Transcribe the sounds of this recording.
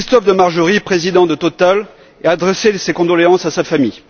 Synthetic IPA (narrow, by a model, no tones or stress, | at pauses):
kist̪ɔfd̪əmaʁʒəʁipχezid̪ɑ̃d̪ət̪ɔt̪al | ɛad̪ʁesesekɔ̃d̪ɔleɑ̃sasafamij